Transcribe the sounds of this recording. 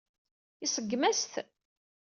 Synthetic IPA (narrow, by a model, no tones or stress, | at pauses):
isəɡːmæst̪